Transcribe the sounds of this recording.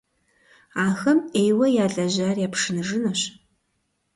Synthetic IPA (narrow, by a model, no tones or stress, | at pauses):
aːxɐmejwɐjaːɮʼɐʑaːrjaːpʂɨnɨʐɨnɐɕ